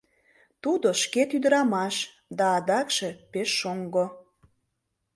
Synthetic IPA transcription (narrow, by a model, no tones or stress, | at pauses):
t̪ud̪oʃket̪yd̪əɾɑmɑʃ | d̪ɑːd̪ɑkʃe̽peʃːoŋɡo